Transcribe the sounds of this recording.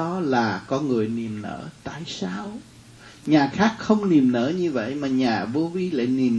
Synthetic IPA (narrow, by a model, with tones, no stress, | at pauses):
ɔ˨˦laː˨˩kɔ˨˦ŋɨ˨˩əjni˨˩əmnə̰ː˧˩˥t̪a̰ː˧˨jsaː˧w | ɲaː˨˩xaː˦˥k̚xə˧wŋ͡mni˨˩əmnə̰ː˧˥ɲɨ˧və̰˧˨jmaː˨˩ɲaː˨˩ɓo˨˧˦vi˨˦la̰ː˧˨jni˨˩m